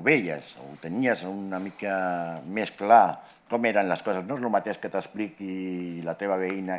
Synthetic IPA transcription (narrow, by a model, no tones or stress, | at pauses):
βejḛzo̰ut̪əniazunamikameskla | kɔmeɾanləskɔsaznolumat̪eʃkət̪əsplikilat̪eβaβ̞eina